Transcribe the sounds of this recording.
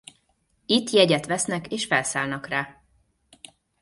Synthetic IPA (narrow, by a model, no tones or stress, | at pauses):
it̪ːjɛɟɛt̪ʋɛsnɛkeːʃfɛlsaːlnɒkraː